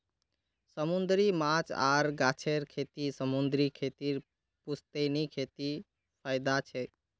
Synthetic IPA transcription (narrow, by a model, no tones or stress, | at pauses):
səmund̪ɾimat͡ʃa̰ːɾɡaːt͡ʃʰeɾkʰet̪isəmund̪ɾikʰet̪iɾ | pust̪enikʰet̪i | pʰaɪd̪at͡ʃʰɛ